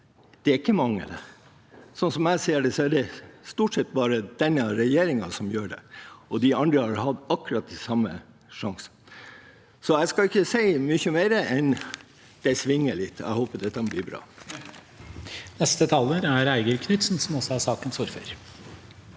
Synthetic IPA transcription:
d̪̥ɛæɾɪkːəmɑŋːə̰d̪ɛ̰ | sɔnsɔmæɪseːəɖɛsɔæɖɛst̪uːʈsɛt̪̚ːbɑːɾəd̪̥ɛnːɑɾɛjeːɾɪŋɑsɔmjøːɖɛ̰ɔd̪ɪɑnd̪ɾəhɑɾhɑd̪ɑkːʉɾɑt̪̚d̪ɪsɑmːə̰ | ʂɑŋsə | sɔæɪskɑɪçːəsæɪmʏçəmæɪɾəʔɛn | d̪̥æɪsʋɪŋːəɭɪt̪ːɔ̰æ̰ɪhoːpəd̪ɛt̪ːɑbliːbɾɑ̰ː | nɛst̪ət̪ʰɑːləɾæɾæɪɡəɾkʰnʏt̪sn̩sɔmɔsɔæɾsɑːkənsuːɾfœ̰ɾ

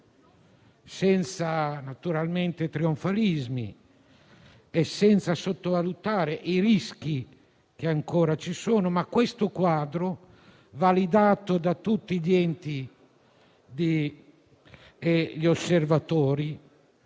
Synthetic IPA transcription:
sɛnt̪sanat̪uɾalment̪et̪ɾioɱfalizmḭ | esːɛnt̪sasot̪ːovalut̪aːɾeʔiɾisk̟i | k̟eaŋkoːɾat͡ʃisoːnomakːwest̪okwaːd̪ɾo | valid̪aːt̪od̪at̪ut̪ːiʎɛnt̪i | d̪i | eʎiosːervat̪oːɾi

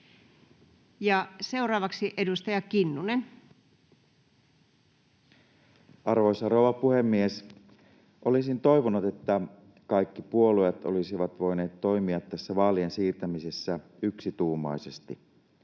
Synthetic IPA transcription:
jɑse̞urɑːʋɑksiʔe̞dust̪ɑjɑkinːunen | ʔɑrʋo̞jsɑrouʋɑpuhe̞mːies | ʔo̞lisint̪o̞jʋonut̪e̞t̪ːæ | kɑjkːipuolujet̪o̰lisiʋɑt̪ʋo̞jne̞ːt̪ːo̞jmiɑt̪ːæsːæʋɑːliensiːrt̪æmisesːæ | yksit̪uːmɑ̰isest̪i

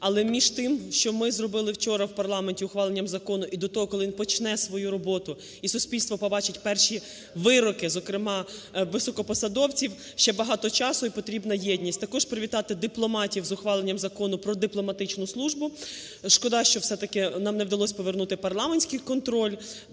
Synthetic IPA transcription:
ɐlˠɛmʲiʒt̪ɪmʃt͡ʃɔmɪzrɔbɪlˠɪwt͡ʃɔɾɐwpɐrlˠɑmenʲtʲiʊxʋɑlˠenʲːɐmzɐkɔnʊʔid̪ɔt̪ɔɦɔkɔlˠɪʋinpɔt͡ʃnɛsʋɔjuɾɔbɔt̪ʊ | isʊsʲpʲilʲst̪ʋɔpɔbɑt͡ʃɪtʲpɛrʃi | ʋɪɾɔkɪzɔkɾɪmɑʋɪsɔkɔpɔsɐd̪ɔwt͡sʲiw | ʃt͡ʃɛbɐɦɑt̪ɔt͡ʃɑsʊipɔt̪ɾʲibnɐjɛdʲnʲisʲtʲt̪ɐkɔʒpɾɪʋʲit̪ɑt̪ɪd̪ɪplˠɔmɑtʲiwzʊxʋɑlˠenʲːɐmzɐkɔnʊpɾɔd̪ɪplˠɔmɐt̪ɪt͡ʃnʊslˠuʒbʊ | ʃkɔd̪ɑʃt͡ʃɔwsɛt̪ɐkɪnɑmnɛwd̪ɐlˠɔsʲpɔʋernut̪ɪpɐrlˠɑmenʲsʲkɪjkɔnt̪ɾɔlʲ

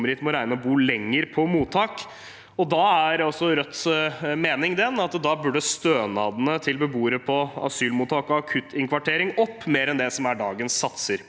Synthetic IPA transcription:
mɾɪt̪mɔɾæɪnəɔbuːlɛŋːəɾpʰɔmuːt̪ʰɑːk | ɔd̪ɑæɾɔsːɔɾœt̪ːmeːnɪŋd̪ɛnɑt̪d̪ɑːbʉɖəst̪øːnɑːd̪ənət̪ʰɪlbəbuːəɾəpʰɔɑ̰syːlmuːt̪ʰɑːkɔɑkʰʉt̪ʰːɪŋkʰʋɑʈʰeːɾɪŋɔpːmeːɾɛnd̪ɛsɔmæɖɑːɡənsːɑt̪səɾ

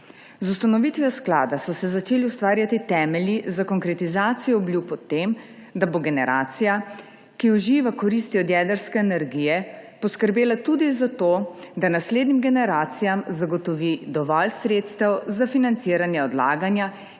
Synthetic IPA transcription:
zust̪anɔʋit̪ʋɛɔskla̰ːd̪asɔsɛzat͡ʃeːliust̪ʋaːɾjat̪it̪ɛmɛljizakɔŋkɾɛt̪izaːt̪sijɔːbljupɔt̪ːem | d̪aboɡɛnɛ̰ɾʔaːt̪sija | kiuʒiːʋakɔɾist̪iɔd̪jɛd̪əɾskɛːnɛɾɡiːjɛpɔskəɾbeːlat̪ud̪izat̪od̪anasleːd̪nimɡɛnɛɾaːt̪sijamzaɡɔt̪ɔʋid̪ɔʋɔlsɾeːt̪st̪ɛwzafinant̪siːɾanjɛɔd̪la̰ːɡanja

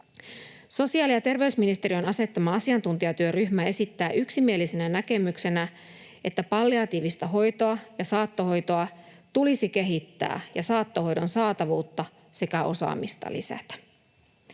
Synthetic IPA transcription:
so̞siɑːliɑt̪e̞rʋe̞ysminist̪e̞ɾio̞nɑse̞t̪ːɑmɑɑsiɑnt̪unt̪iɑt̪yøryɦmæe̞sit̪ːæːʔyksimie̞lisenænæke̞mykse̞næ | ʔe̞t̪ːæpɑlːiɑt̪iːʋist̪æɦo̞jt̪o̞ɑjɑsɑːt̪ːo̞ho̞jt̪o̞ɑ | t̪ulisike̞ɦit̪ːæ̰ːjɑsɑːt̪ːo̞ho̞jdo̞nsɑːt̪ɑʋuːt̪ːɑ | se̞kæʔo̞̰sɑ̰ːmist̪ɑ̰lḭsæ̰t̪æ̥

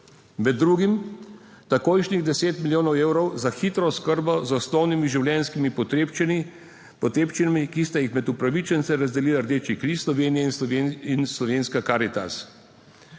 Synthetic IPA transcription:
mɛd̪ːɾuːɡim | t̪akojʃniɣd̪ɛseːt̪milʲjoːnɔweːwɾɔwzaxit̪ɾɔskəɾbɔzɔsnɔwnimiʒiwlʲjɛnskimipɔt̪ept͡ʃni | pɔt̪ɾeːpt͡ʃinamikist̪ajixmɛd̪upɾaʋit͡ʃɛnt̪sɛɾazd̪ɛliːlaɾd̪eːt͡ʃikɾislɔʋeːnijɛinslɔʋeːnskakaːɾit̪a̰s

